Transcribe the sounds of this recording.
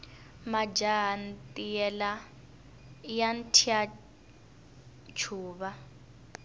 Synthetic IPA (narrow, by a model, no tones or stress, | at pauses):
mad͡ʒaɦantʼiɛla | jantʰia | t͡ʃʰuːβa